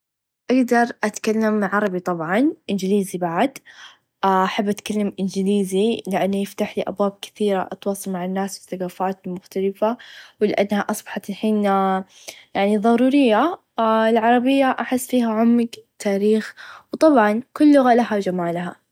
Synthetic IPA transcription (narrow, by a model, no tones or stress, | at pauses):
ʔaɡd̪ɑɾˤʔat̪kalːamʕɑɾˤɑbit̪ˤɑbʕɑnʔɪnd͡ʒɪliːzibaʕd̪ | aʔaħabːʔat̪kalːamʔɪnd͡ʒɪliːzilɪʔanːajɪft̪aħliʔa̰bwaːb̚kɪ̥θiːɾaʔɑt̪wɑːsˤɑlmaʕanːaːsbɪθaɡaːfaːt̪lmʊxt̪alɪfawlɪʔa̰nːhaʔɑsˤbɑħɑt̪lħiːn | jaʕniðˤɑɾˤuːɾɪjːa | ɪlʕɑɾˤɑbɪjːaʔaħɪsːfiːɦaʕʊmːɪɡt̪ʰːaːɾiːxwt̪ˤɑbʕɑnkʊlːʊɣalahawd͡ʒamaːlɦa